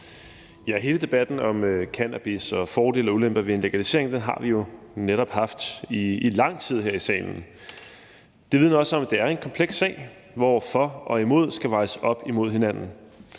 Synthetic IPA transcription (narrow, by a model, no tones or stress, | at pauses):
jɑɐɦe̝ːləd̥e̝b̥æd̥n̩ɒ̽møkʰænæb̥isɒ̽fɒːd̥e̝̰ːlɒ̽ulemb̥ɐʋe̝e̝nle̝ɡ̥ælise̝ɐ̰eŋd̥enɦɑ̈ʋijo̝ | neɾ̥ɒ̽b̥hɑ̈fd̥iilɑ̈ŋ̰t͡sʰið̞̰ˠɦeɐ̰isɛ̰ːɪnn̩ | d̥eʋið̞̰ˠnɒ̽səɒ̽md̥e̝æɐe̝nkʰɒ̽mpʰleɡ̥sːɛ̰ːɪ | ʋɒfɒ̽ʔɒ̽imo̝ð̞̰ˠsɡ̥æʋɑ̈ɪsəɒ̽b̥imo̝ð̞̰ˠɦenæn̰n̩